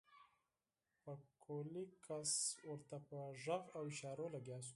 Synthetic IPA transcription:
pəkʰolikʰaswəɾt̪apəʒaɣawɪʃɑɾolaɡjɑs̬u̥

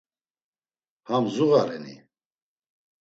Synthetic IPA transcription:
hamzuɣaɾɛnḭ

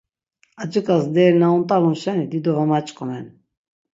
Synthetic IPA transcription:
ad͡ʒəkʼasd̪ɛɾnaunt̪ʼalunʃɛnid̪id̪ɔvamat͡ʃʼqʼɔmɛn

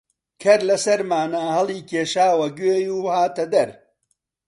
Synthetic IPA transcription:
kʰɐɾlɐsɐɾmaːnaːhɐlˠiːkʰeːʃaːwɐɡeːjuːhaːt̪ɐd̪ɐɾ

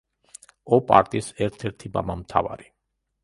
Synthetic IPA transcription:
ɔpʼa̰ɾt̪ʼisɛɾt̪ʰɛɾt̪ʰima̰mamt̪ʰa̰va̰ɾi

